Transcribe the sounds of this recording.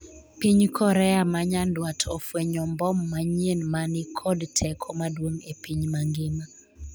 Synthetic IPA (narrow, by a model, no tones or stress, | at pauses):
piɲkʰɔɾɛamaɲandwatʰɔfwɛɲɔmbɔmːaɲenmanɪkʰɔdtʰɛkʰɔmadwoŋepiɲmaŋɡɪma